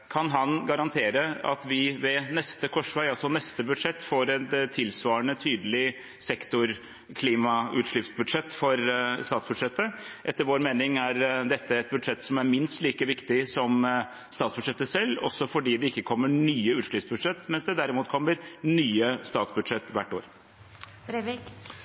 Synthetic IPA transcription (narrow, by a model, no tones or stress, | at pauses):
kʰɑnɦɑnɡɑɾɑnt̪ʰeːɾəɑ̰t̪ʋɪʋɛnɛst̪əkʰɔʂʋæɪɑlsɔnɛst̪əbʉd̪ʂɛt̪ːfoːɾɛt̪ʰːɪlsʋɑːəɳət̪ʰyːd̪əlɪ | sɛkt̪ʊɾ | kʰliːmɑʉ̰ːt̪ʂɭʏpsbʉd̪ʂɛt̪ːfɔɾst̪ɑːt̪sb̥ʉd̪ʂɛt̪ːəʔɛt̪ːəɾʋoːɾmeːnɪŋæɾd̪ɛt̪ːəɛt̪̚bʉd̪ʂɛt̪ːsɔmæɾmɪnst̪liːkəʋɪkt̪ɪsɔm | st̪ɑːt̪sb̥ʉd̪ʂɛt̪ːəsɛlːɔ̰sːɔfɔɖiːd̪ɛɪkːəkʰɔmːənyːəʉːt̪ʂɭʏpsbʉd̪ʂɛt̪ːmɛnsd̪ɛd̪æɾɪmuːt̪kʰɔmːəɾnyːəst̪ɑːt̪sbʉd̪ʂɛt̪ːʋæʈːo̰ːɾ